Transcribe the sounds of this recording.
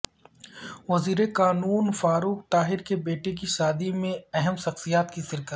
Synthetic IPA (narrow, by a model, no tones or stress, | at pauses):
ʋɐziːɾekaːnuːnfaːɾuːk̚t̪aːɦɪɾkebeːʈek̬iʃaːd̪imẽɛɦɛmʃɐxsijaːt̪kisɪɾkət̪